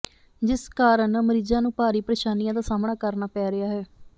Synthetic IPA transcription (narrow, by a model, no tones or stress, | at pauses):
d͡ʒɪskaːɾənməɾiːzãːnũːpaːɾiːpɾeːʃaːnijãːd̪aːsaːmɳaːkəɾnaːpɛːɾɪaːɦɛː